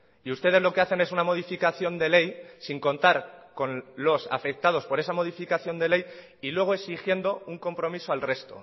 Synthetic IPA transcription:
iust̪e̞ð̞e̞zlo̞ke̞aθe̞ne̞sunamo̞ð̞ifikaθjo̞nd̪e̞le̞jsiŋko̞nt̪aɾko̞nlo̞sa̰fe̞k̚t̪að̞o̞spo̞ɾe̞samo̞ð̞ifikaθjo̞nd̪e̞le̞j | ilwe̞ɣ̞oe̞sixje̞nd̪o̞uŋko̞mpɾo̞misoalre̞st̪o̞̰

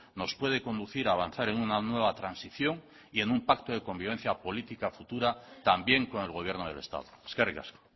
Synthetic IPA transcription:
no̞spwe̞ð̞e̞ko̞nd̪uθiɾaːβ̞an̟θaɾe̞ŋunanwe̞β̞at̪ɾansiθjo̞ŋ | ie̞numpak̚t̪oðe̞ko̞mbiβ̞e̞n̟θjapo̞lit̪ikafut̪uɾat̪ambje̞ŋko̞ne̞lɣo̞βje̞ɾnoðele̞̰st̪a̰ðoe̥skarika̰sko̥

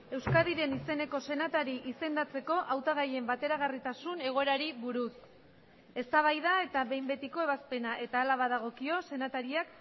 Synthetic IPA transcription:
e̞wskaðiɾe̞nise̞ne̞ko̞se̞nat̪aɾiʔise̞nd̪at͡se̞ko̞ʔawt̪aɣaje̞mbat̪e̞ɾaɣ̞arit̪asune̞ɣo̞e̞ɾaɾiβuɾus | e̞st̪aβ̞ajðae̞t̪aβe̞jmbe̞t̪iko̞e̞βaspe̞naʔe̞t̪aːlaβaðaɣ̞o̞kio̞se̞nat̪aɾiak

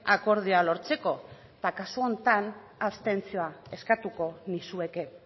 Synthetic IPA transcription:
ako̞ɾð̞ialo̞ɾt͡se̞ko̞ | t̪akasuo̞nt̪an | ast̪e̞nt͡sio̞ae̞skat̪uko̞nisue̞ke̞

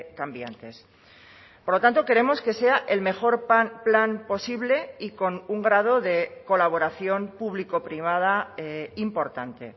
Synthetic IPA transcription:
kambja̰nt̪e̞s | poɾlo̞t̪ant̪o̞ke̞ɾe̞mo̞ske̞se̞aʔelme̞xo̞ɾplanpo̞siβle̞iko̞nuŋɡɾað̞o̞ðe̞ko̞laβ̞o̞ɾaθjo̞mpuβliko̞pɾiβ̞að̞aeimpo̞ɾt̪ant̪e̞̰

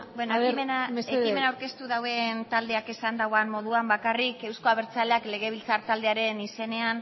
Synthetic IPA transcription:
benoeimenaeekime̞nawɾke̞st̪uð̞awe̞nt̪ald̪e̞akesand̪awanmo̞ðuambakarike̞wsko̞aβe̞ɾt͡saleakle̞ɣ̞e̞β̞ilt͡saɾt̪ald̪e̞aɾe̞nise̞ne̞an

